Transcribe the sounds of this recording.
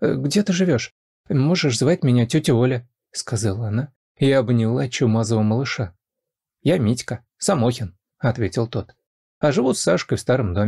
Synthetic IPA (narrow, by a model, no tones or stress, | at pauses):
ɡdʲe̞t̪ɨʐɨvʲo̞ʂ | mo̞ʐɨʂzvatʲmʲɪnʲatʲɵtʲɪolʲə | skɐzalˠəɐna | ɪɐbnʲɪlˠat͡ɕːumazəvəməlˠɨʂa | jamʲitʲkə | samoxʲɪn | ɐt̪vʲetʲɪlˠt̪o̞t̪ | ɐʐɨvut̪saʂkəjfst̪aɾəmd̪omʲ